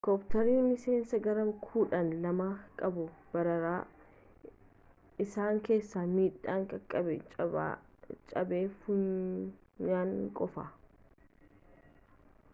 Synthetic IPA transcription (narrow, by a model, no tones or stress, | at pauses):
kɔpt̪ɐɾiːmɪse̞ːnsɐɡɐɾɐmkʰuːᶑɐnlɐmɐkʼɐbʊb̥ɐɾɐɾaː | ɪsaːŋke̞ːsːamiːᶑaːŋkʼɐkʼːɐbɛt͡ʃʼ | t͡ʃʼɐbeːfʊ | ɲaːŋkʼɔfɐ